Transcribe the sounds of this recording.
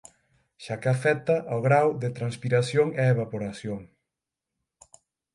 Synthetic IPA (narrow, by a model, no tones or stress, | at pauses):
ʃakeafɛt̪aʔoɣɾawðet̪ɾanspiɾasjoŋeeβapoɾasjoŋ